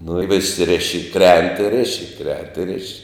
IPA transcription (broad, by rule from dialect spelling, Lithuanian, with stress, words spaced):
nʊ ɪ ʋʲɪs ˈrʲɪʃʲɪ ɪ ˈkrʲɛnt ɪ ˈrʲɪʃʲɪ ˈkrʲɛnt ɪ ˈrʲɪʃʲɪ